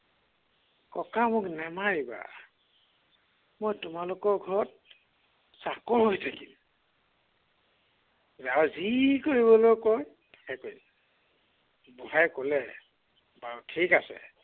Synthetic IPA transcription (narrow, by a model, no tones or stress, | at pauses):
kɔkamʊknɛmaɹiba̰ | mojtʊmalʊkɔɹɡʱɔɹɔt̚ | sakɔɹɦojtʰakim | zawzikoɹiβɔlojkɔj | tḁkɛkoj | bɔhajkolɛ | batʰikasɛ̰